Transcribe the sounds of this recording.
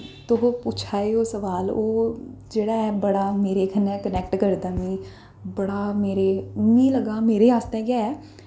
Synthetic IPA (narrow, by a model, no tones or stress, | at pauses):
t̪ʊɦoput͡ʃʰaːeːoːsəʋaːloːd͡ʒeːɽaːɛːbəɽaːmeːɾeːkʰənɛ̃ːkənɛːk̚ʈkəɾd̪aːʋĩː | bəɽaːmeːɾeːnĩːləɡaːmeːɾeːaːst̪ẽːkaːɛː